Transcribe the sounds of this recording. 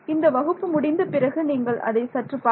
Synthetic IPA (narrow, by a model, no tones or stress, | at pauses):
ɪnd̪ɐʋɐɣɯpːɯmʊɽɪnd̪ɐpɪɾɐɣɯniːŋɡɐɭʔɐ̰ðɐɪsɐʈrɯpːaː